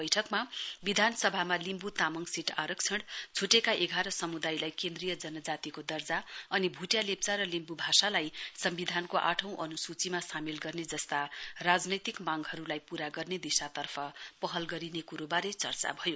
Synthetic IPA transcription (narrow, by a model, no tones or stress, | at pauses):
ʌjʈʰʌkmabid̪ʱansʌbʱamalimbut̪amʌŋɡsiʈʰa̰ɾʌkt͡sʰʌɽt͡sʰuʈekaʔeɡʱaɾʌsʌmud̪ajlajkend̪rijʌd͡zʌnʌd͡zat̪ikod̪ʌrd͡zaʌnibʱuʈjalep̚t͡saɾʌlimbubʱasalajsʌmbid̪ʱankoʔa̰ʈʰʌ̃w̃ʔʌnusut͡simasamilɡʌrned͡zʌst̪arad͡znʌjt̪ikmãŋɡɦʌɾulajpuɾaɡʌrned̪isat̪ʌrpʰʌpʌɦʌlɡʌɾinekuɾobaɾet͡sʌ̰rt͡sa̰bʱʌjo